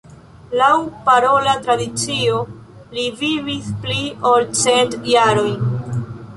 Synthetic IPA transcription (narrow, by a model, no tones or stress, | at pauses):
lawpaɾo̞latɾadit͡sio̞ | livivispliolt͡se̞ntjaɾo̞j